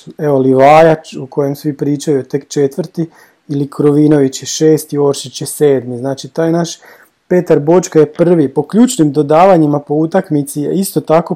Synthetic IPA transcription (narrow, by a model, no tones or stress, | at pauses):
eoliʋaːjat͡ʃukʰo̞je̞msʋipɾiːt͡ʃajut̪e̞kt͡ʃe̞t̪ʋɾ̩t̪i | ilikʰɾoʋino̞ʋit͡ɕjeʃe̞ːst̪io̞ɾʃit͡ɕjese̞ːd̪miznaːt͡ʃit̪aːjnaʃ | pe̞ːt̪aɾbo̞t͡ʃkaje̞pr̩ʋipo̞kʎuːt͡ʃnimd̪o̞d̪aːʋaɲimapo̞ut̪akmit̪sijḛist̪o̞t̪ako̞